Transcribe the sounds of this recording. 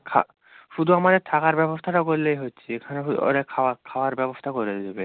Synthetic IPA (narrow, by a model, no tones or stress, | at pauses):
kʰa̰ | hud̪uamaɾɛtʰakaɹbɛbɔst̪ʰaɾakoɹilejɦojtːsʰikʰanɛɦuɔ̰ɾɛkʰawakʰawaɹbɛbɔst̪ʰakoɹiɛdzɔbɛ